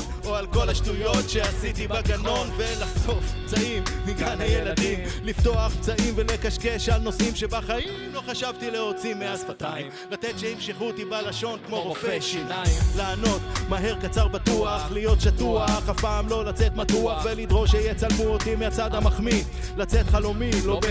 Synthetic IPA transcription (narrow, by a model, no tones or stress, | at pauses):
oalko̞laʃtujo̞tʃe̞asit̪ibaɡano̞nve̞laχto̞fpt͡saimhiɡanhaje̞lad̪imlift̪o̞aχpt͡saimve̞le̞kaʃke̞ʃalno̞simʃe̞baχaimmlo̞χaʃavt̪ileo̞t͡simeasfat̪aimlat̪et̪ʃehimʃeχut̪ibalaʃo̞nkmo̞ʁofe | laːno̞t̪maɦeʁkat͡saʁbat̪uaχlijo̞t̪ʃatuaχhapaːmlo̞lat͡se̞t̪mat̪uaχvelid̪ʁo̞ʃejet͡salmuot̪imeat͡sad̪hamaχmi | lat͡set̪χalo̞milob